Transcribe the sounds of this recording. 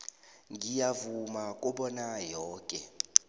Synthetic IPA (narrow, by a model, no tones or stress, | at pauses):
ŋɡijavumakʼuɓɔnajɔːkʼɛ